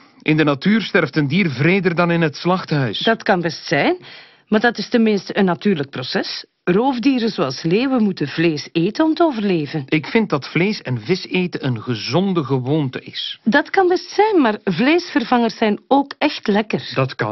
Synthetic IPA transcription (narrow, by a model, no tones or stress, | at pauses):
ʔɪndənatyːrstɛrftəndiːrvreːdərdɑnɪnɦətslɑxtɦœɥsd̥ɑtkɑnbɛstsɛjn | maːrdɑtɪstənmɪnstəənːatyːrlək̚prosɛs | roːvdiːɾəzoɑlˠsleːwəmutəvleːseːtəɔmtəoːvərleːvənɪkfɪnt̚dɑtfleːsɛnvɪseːtəʔənɣəzɔndəɣəʋoːntəɪsdɑtkɑnbɛstsɛjnmaːrvleːsfərvɑŋərsɛjnoːkɛxtlɛkərdɑtkɑ̰